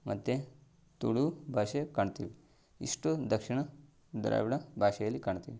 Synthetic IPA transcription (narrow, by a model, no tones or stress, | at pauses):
mɐ̰t̪ːe | t̪uɽubʱaːʃekaːɳt̪iʋi | ḭʂʈud̪ɐkʂiɳɐ | d̪ɐ̰ɾɐ̰ʋiɽɐbʱaːʃɐjɐlːikaːɳt̪iːʋi